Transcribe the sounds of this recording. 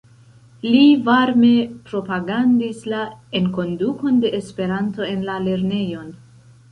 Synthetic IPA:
livaɾme̞pɾo̞paɡandislaenko̞nduko̞nde̞ʔːspe̞ɾanto̞e̞nlale̞ɾne̞jo̞n

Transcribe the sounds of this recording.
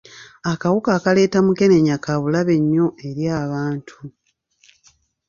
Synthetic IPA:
akawukaːkale̞ːtamuke̞ne̞ɲːakaβulaβe̞ɲːo̞e̞ɾjaːβaːntʰu

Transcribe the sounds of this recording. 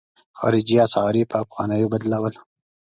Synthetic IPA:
xɑ̰ːɾid͡ʒijɑsɑːɾipəːfɣɑːnəjobɐd̪lawəl

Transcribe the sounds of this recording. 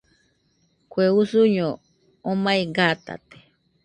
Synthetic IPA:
kʷeusuɲõ | omaiɡat̪a̰t̪e̥

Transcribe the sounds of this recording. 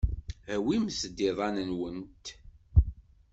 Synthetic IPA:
æwimsd̪iðˤɑnənwənt̪

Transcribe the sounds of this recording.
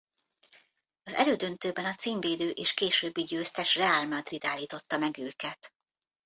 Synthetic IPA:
ɒzɛ̰løːd̪ønt̪øːbɛnɒt̪siːɱveːd̪øːʔeːʃkeːʃøːbːiɟøːst̪ɛʃrɛaːlmad̪rid̪aːlːiːt̪o̞t̪ːɒmɛɡøːkɛt̪

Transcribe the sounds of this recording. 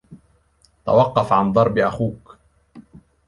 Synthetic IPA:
t̪a̰wɑqːɑfʕand̪ˤɑɾˤbɪʔaxuːk

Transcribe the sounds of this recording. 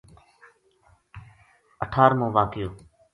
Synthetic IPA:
əʈʰaːɾmũːʋaːkɪjoː

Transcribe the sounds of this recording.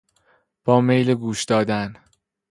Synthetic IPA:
b̥ɒːmejleɡuːʃd̪̥ɒːd̪æn

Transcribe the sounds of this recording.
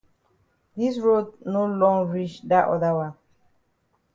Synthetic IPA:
disɹod̚nolɔ̃ŋɹit͡ʃdaʔɔ̰dawãn

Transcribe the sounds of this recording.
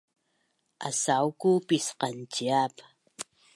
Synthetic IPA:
ʔa̰sawkupisqɑnt͡ʃiap

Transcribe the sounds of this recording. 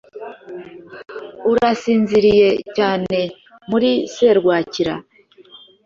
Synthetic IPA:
uɾasiːnziɾije̞caːne̞ | muɾise̞ɾɡwaːciɾa̰

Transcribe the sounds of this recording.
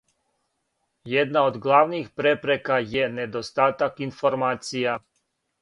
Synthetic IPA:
jɛd̪naod̪ɡlˠaʋnixpɾepɾekajɛned̪ost̪aːt̪akinfoɾmaːt̪sija

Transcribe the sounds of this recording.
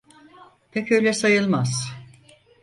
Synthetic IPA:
pʰɛcø̞jlʲɛsajɯlˠmaz̥

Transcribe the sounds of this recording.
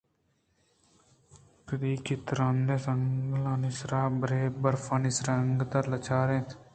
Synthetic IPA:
kəd̪iːkʰɪt̪ɾãnd̪eːsəŋɡlaːnɪsɾaːbəɾeːbəɾfãːnɪsɾəŋɡt̪əɾlət͡ʃʰaːɾẽː

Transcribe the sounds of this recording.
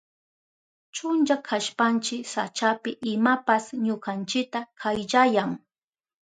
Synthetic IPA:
t͡ʃʊnt͡ʃakʰaʃpant͡ʃɪksa̰t͡ʃapɪʔɪmapasɲʊkant͡ʃɪk̚t̪akʰajʎajaŋ

